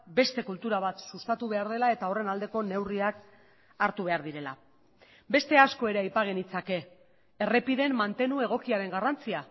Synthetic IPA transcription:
be̞st̪e̞kult̪uɾaβ̞at̪sust̪at̪uβe̞aɾð̞e̞lae̞t̪ao̞re̞nald̪e̞ko̞ne̞wriak | aɾt̪uβ̞e̞aɾðiɾe̞la̰ | be̞st̪e̞asko̞e̞ɾe̞ajpaɣ̞e̞nit͡sake̞ː | re̞piðe̞mːant̪e̞nue̞ɣ̞o̞kiaɾe̞ŋɡarant͡sia

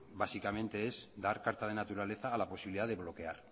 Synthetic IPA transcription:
basikamẽnt̪e̞ezd̪aɾkaɾt̪að̞e̞nat̪uɾale̞θaːlapo̞siβiliðaðeβ̞lo̞ke̞aɾ

